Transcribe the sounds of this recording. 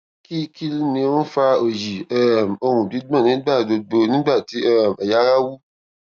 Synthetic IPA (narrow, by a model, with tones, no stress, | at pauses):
ki˦ki˦lnĩ˧˦wũ˦fa˧o˨ji˨ɛ˦˨mo˧ɾ̃ũ˨di˨˦ɡ͡bɔ̃˦˨nĩ˨˦ɡ͡ba˦˨do˧ɡ͡bo˧nĩ˦ɡ͡ba˦˨ti˨˦ɛ˦˨ma˨ja˨˦ɾa˦wu˦